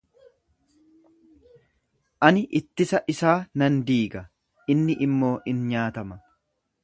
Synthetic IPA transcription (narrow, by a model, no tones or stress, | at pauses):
ʔɐnɪʔɪt̪ːɪsɐʔɪsaːnɐnd̪iːɡɐ | ʔɪnːɪʔɪmːo̞ːʔɪnɲaːt̪ɐmɐ